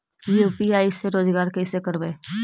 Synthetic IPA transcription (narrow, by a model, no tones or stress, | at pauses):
jepiaːiseɾoːzɡaːɾkɛɪsekəɾbeː